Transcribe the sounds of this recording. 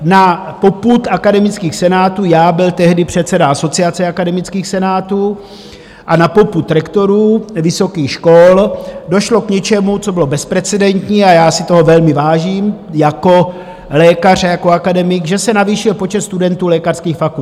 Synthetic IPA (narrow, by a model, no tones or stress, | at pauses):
napo̞put̪akadɛmɪt͡skiːxsɛnaːt̪uːjaːbɪlt̪ɛɦdɪpr̝̥ɛt̪t͡sɛdaaso̞t͡siat͡sɛakadɛmɪt͡skiːxsɛnaːt̪uː | ʔanapo̞put̪ɾɛkt̪o̞ɾuːvɪso̞kiːxʃkoldo̞ʃlo̞kɲɛt͡ʃɛmut͡so̞bɪlo̞bɛspɾɛt͡sɛdɛnt̪ɲiːajaːsɪt̪o̞ɦo̞vɛlmɪvaːʒiːmjako̞ | lɛːkar̝ajakoakadɛmɪkʒɛsɛnaviːʃɪlpo̞t͡ʃɛt̪st̪udɛnt̪uːlɛːkar̥skiːxfakult̪